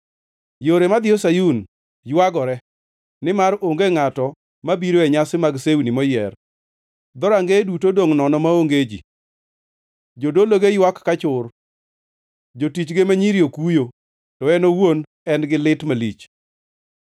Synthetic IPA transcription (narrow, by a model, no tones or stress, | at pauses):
joɾemad̪ɪosajun | jwaɡɔɾɛ | nɪmaɾoŋɡeŋatɔ | mabiɾoɛɲasɪmaɡsewnimɔjɛr | d̪ɔɾaŋɡedutodoŋnɔnɔmaoŋɡed͡ʒḭ | d͡ʒodoloɡejwakːat͡ʃʊr | d͡ʒotit͡ʃɡemaɲiɾjokujo | tɔɛnowon | ɛnɡɪlɪtmalḭt͡ʃ